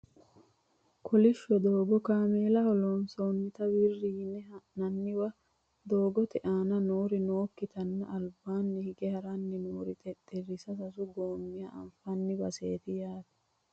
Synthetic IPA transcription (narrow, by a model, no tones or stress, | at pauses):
kʰɔlɪʃːɔd̪oːɡɔkaːmeːlɐhɔlɔnsonːɪt̪ɐwirːiːnːɛɐnɐnːɪwɐ | d̪o̞ːɡɔt̪ɛʔaːnɐnoːɾɪnoːkːɪt̪ɐnːɐɐlbaːnːɛhɪɡɛhɐɾɐnːɛnoːɾɪt̪ʼɛt̪ʼːɛrɪsɐsɐsʊɡoːmːɪjɐʔɐ̰mfɐnːɪbɐseːt̪ɪjaːt̪ɛ̥